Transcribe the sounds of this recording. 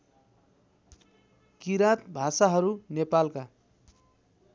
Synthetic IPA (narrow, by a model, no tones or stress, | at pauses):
kiɾat̪bʱasaɦʌɾunepalka